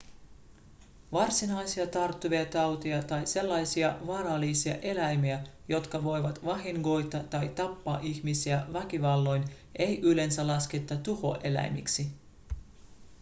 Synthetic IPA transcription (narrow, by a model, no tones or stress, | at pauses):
ʋɑrsinɑjsiɑt̪ɑrt̪ːuʋiɑt̪ɑwt̪iɑt̪ɑjse̞lːɑjsiɑʋɑːɾɑlːisiɑ̰ʔe̞læjmiæjo̞t̪kɑʋo̞jʋɑt̪ʋɑɦiŋɡo̞jt̪ɑt̪ɑjt̪ɑpːɑːʔiçmisiæʋækiʋɑlːo̞jn | ʔe̞jʔyle̞nsælɑske̞t̪ːɑt̪uho̰ʔe̞læ̰jmḭksi